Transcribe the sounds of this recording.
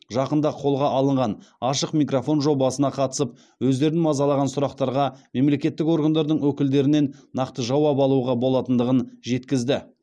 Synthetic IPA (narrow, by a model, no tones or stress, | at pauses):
ʒɑqənd̪ɑqʰo̞lˠʁɑʔɑlˠəɴʁɑnɑʃəqmijkrofo̞nʒo̞bɑsənɑqʰɑt̪ə̥səp̚ | wɵzd̪e̞ɾnmɑzɑlˠɑʁɑnsʊɾɑqt̪ɑɾʁɑme̞mle̞kʲe̞t̪ːɪko̞ɾɡand̪ɑɾd̪əɴwɵkʲɪld̪e̞ɾɪne̞nːɑqt̪əʒɑwɑpɑlˠuʁɑbo̞lˠɑt̪ənd̪əʁənʒe̞t̪kʲɪzd̪ɪ